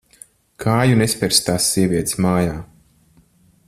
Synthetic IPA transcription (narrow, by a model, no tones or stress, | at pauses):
kʰaːjunespʲɛɾst̪aːsːiɛvʲiɛt̪smaːjaː